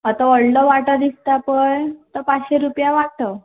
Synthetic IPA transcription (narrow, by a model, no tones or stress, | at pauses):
ət̪aəɽlɔʋaʈəd̪ist̪apəjt̪əpaɕeɾupjaʋaʈə